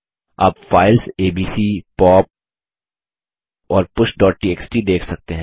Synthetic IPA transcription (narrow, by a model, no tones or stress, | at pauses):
aːpfaːɪlseːbiːsiːpɔːp̚ | ɔːɾpʊʃɖɔːʈ̚ʈiːeːksʈiːd̪eːkʰsɐk̚t̪eɦɛ̃